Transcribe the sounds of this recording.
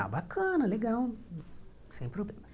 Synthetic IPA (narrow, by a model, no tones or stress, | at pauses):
a̰bakʰənəleɡaw | sɛ̃j̃pɾoblɛms